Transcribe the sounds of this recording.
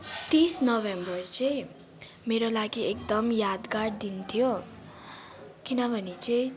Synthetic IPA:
t̪isnʌbembʌrt͡sʌj̃ | meɾolaɡiek̚d̪ʌmjad̪ɡaɽd̪int̪ʰijo | kinʌbʱʌnit͡sʌĩ

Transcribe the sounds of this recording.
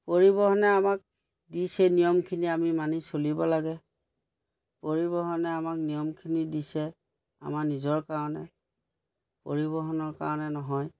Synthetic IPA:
poɹibɔɦɔnɛamak̚ | disɛnijɔmkʰiniamimanisolibɔlaɡɛ | poɹibɔɦɔnɛamak̚nijɔmkʰinidisɛ | a̰manizɔɹkaɹɔnɛ | po̰ɹibɔɦɔnɔɹka̰ɹɔnɛnɔɦɔj

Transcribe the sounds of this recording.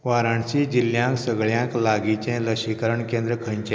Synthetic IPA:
ʋaɾaɳsid͡ʑiljãksəɡɭjãŋklaɡit͡ɕɛ̃ləɕikəɾəɳkẽnd̪ɾəkʰə̃ɲt͡ɕẽ

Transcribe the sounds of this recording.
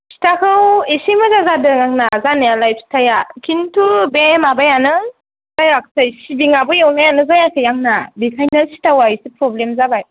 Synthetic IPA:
si̥tʰakʰɯwisimɯzazadɯŋaŋnazanɯjalajp̚si̥tʰajakʰintʰubemabajanɯ | zajak̚sajsibiŋabɯjawnajanɯzajakʰɯjaŋnabikʰajnasi̥tawaisipɾɔblemzabaj

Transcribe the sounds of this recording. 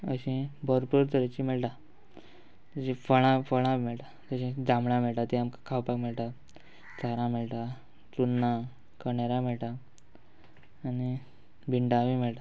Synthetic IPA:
ə̰ɕĩbʱəɾpuɾt̪əɾet͡ɕimeɭʈã | əɕĩfəɭ̃ãfəɭãmeɭʈ̪a | t̪əɕĩd͡zãmɭãmeɭʈat̪iamkḁkʰawpakmeɭʈ̪a | t͡sʰaɾãmeɭʈa | t͡sunːã | kəɳeɾamɛɭʈa | ni | bʱiɳɖaʋimeɭʈ̪a

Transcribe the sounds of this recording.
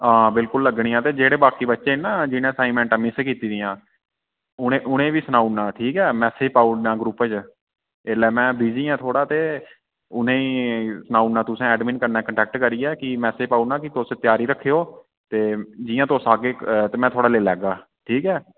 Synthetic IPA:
ãːbɪlkʊlːəɡɳĩːãːt̪eːd͡ʒeːɽeːbaːkiːbətːʃẽːnãːd͡ʒɪnẽːsaːimɛ̃ːɳʈamɪːskiːt̪iːd̪iːãː | ʊẽʔʊnẽːʋiːsənaːunaːʈʰiːkɛːmɛːseːpaːunaːɡɾuːpt͡ʃ | elɛːmɛ̃ːbiːd͡ʒiːɛ̃ːt̪ʰoːɽaːt̪eː | ʊnẽːisənaːunãːt̪ʊsẽːɛːɖmiːnkəɾnaːkəɳʈɛːk̚ʈkəɾiːɛːkɪmɛːseːpaːunãːkɪt̪oset̪ɪjaːɾiːɾəkʰːeːoː | t̪eːd͡ʒɪjãːt̪osaːɡeːt̪eːmɛ̃ːt̪ʰoːɽaːleːlɛːɡaː | ʈʰiːkɛː

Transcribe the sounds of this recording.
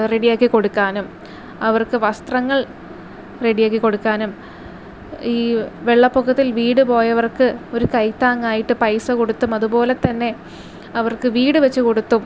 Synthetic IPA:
re̞ɽijaːkːikːo̞ɽukːaːnum | ɐʋɐrkɨʋɐst̪rɐŋːɐɭ | re̞ɽijaːk̬ːikːo̞ɽukːaːnum | iːʋe̞ɭːɐpːokːɐt̪ːilʋiːɽɨpo̞ːjɐʋɐrkɨo̞ɾukɐjt̪ːaːŋːaːjiʈːɨpɐjsɐko̞ɽut̪ːumɐðupo̞ːle̞t̪ːɐnːe̞ | ɐʋɐrkɨʋiːɽɨʋet͡ɕːuko̞ɽut̪ːum

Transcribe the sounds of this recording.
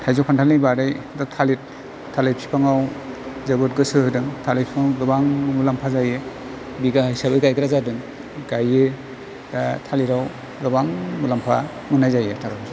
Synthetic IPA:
tʰajzɔpʰantʰalnijbaɾaj | datʰalit̚ | tʰːalɯjpʰi̥pʰaŋawzɯbɯt̚ɡɯsɯhɯdɯŋtʰalejpʰipʰaŋwɡɯbaŋmulampʰazajɯ | biɡahajsabɯjɡajkʰɯɾazadɯŋ | ɡajɯ | tʰaliɾaw | ɡɯbaŋmulampʰa̰ | mɯnajzajetʰaɡa

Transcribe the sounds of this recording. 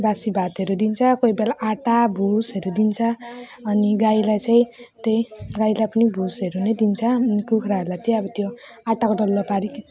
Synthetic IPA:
basibʱat̪ɦʌɾud̪int͡sʰʌkojbealaʔaʈabʱusɦʌɾud̪int͡sʰʌː | niɡajlajt͡saĩt̪ʌjɡajlajpʌnibʱusɦeɾunʌjd̪int͡sʰʌnikukʰɾaʌɾulajt̪jeʌbʌt̪joaʈakoɖʌlːʌpaɾik

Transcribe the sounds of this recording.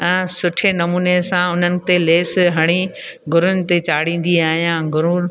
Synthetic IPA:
ɛ̃ːsʊʈʰenɐmuːnesãʊn̤ənɪ̆t̪eleːsɦɐɽ̃iɡʱʊɾʊnɪ̆t̪et͡ɕaːɽ̤ĩːn̆d̪iaːɦijãɡʱʊɾũː

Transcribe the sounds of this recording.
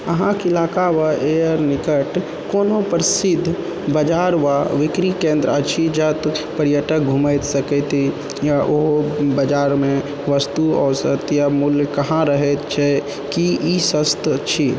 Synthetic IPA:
əɦãkɪlaːkaʋaʔejəɾnɪkəʈ | koːnõpəɾsɪd̪ʱː | bəd͡ʒaːɾʋaʋɪkɾikẽːnd̪ɾət͡ʃʰid͡ʒət̪pəɾjəʈək̚ɡʱuməjt̪səkɛt̪ʰi | jaʔoɦbəd͡ʒaːɾmẽ | ʋəst̪uɔ̰ːsət̪jamʊljkəɦãɾəɦɛt̪t͡ʃʰɛ | kiisəst̪t͡ʃʰi

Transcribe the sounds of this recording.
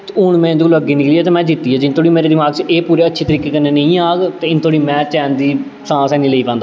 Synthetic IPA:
ʊɳmɛ̃ːd͡ʒləɡiːnɪkliːɛːt̪eːmɛ̃ːd͡ʒɪt̪ːiːɛːd͡ʒɪnt̪ʰoːɽiːmeːɾeːd̪ɪmaːɡt͡ʃʔeːpuːɾeːətːʃʰeːt̪əɾiːkeːkənːeːnəĩːaːɡt̪eːɪnt̪ʰoːɽiːmɛ̃ːt͡ʃɛːnd̪iː | sãːsɛːnĩːləiːpɛ̃ːnd̪aː

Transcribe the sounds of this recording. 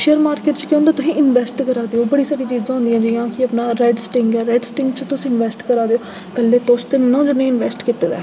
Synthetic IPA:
ʃeːəɾmaːɾkeːʈt͡ʃkjõːnd̪aːt̪ʊsĩːʔɪnʋɛːsʈkəɾaːd̪eːoːbəɽiːsaːɾiːt͡ʃiːzãːɦʊ̃nd̪ijãːd͡ʒiːãːkɪəpnaːɾɛːɖsʈɪŋɡɛːɾɛːɖsʈɪ̃ŋɡt͡ʃt̪ʊsĩːɪnʋɛːsʈkəɾaːd̪eo | kəlːeːt̪oːst̪ennõːd͡ʒənẽːɪnʋɛːsʈkit̪ːeːd̪a̰ː

